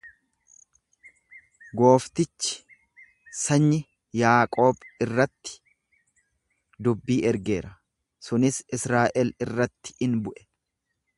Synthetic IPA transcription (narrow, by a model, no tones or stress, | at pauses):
ɡo̞ːft̪ɪt͡ʃːɪ̥ | sɐɲːɪ | jaːkʼo̞ːbɪrːɐt̪ːɪ̥ | d̪ʊbːiːʔɛɾɡe̞ːɾɐ | sʊnɪsɪsɾaːʔɛlɪrːɐt̪ːɪ̥ɪnbʊʔɛ̥